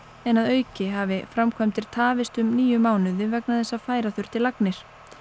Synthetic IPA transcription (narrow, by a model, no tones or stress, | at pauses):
ɛnaðœːɥcɪɦavɪfɾamkʰvɛjmt̪ʰɪɾ̥t̪ʰaːvɪst̪ʏmniːjʏmaːwnʏðɪvɛknaðθɛsːafaːjɾaθʏr̥t̪ɪlaknɪɾ̥